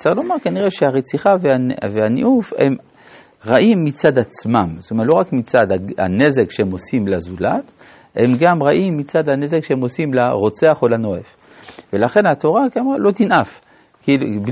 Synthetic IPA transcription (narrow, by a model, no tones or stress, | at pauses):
t͡sailomaʁkaniʁe̞ʃeaʁet͡siχaveavehanḭʔufḛm | ʁaʔimːit͡sad̪at͡smamst̪ometlo̞ʁakmit͡sad̪aa̰ne̞ze̞kʃeemo̞simlazulat̪ | he̞mɡamʁaʔimːit͡sad̪ane̞zekʃeemo̞simlaʁo̞t͡seaχolano̞ef | ve̞laχe̞nhat̪o̞ʁakamalo̞t̪inʔaf | kilub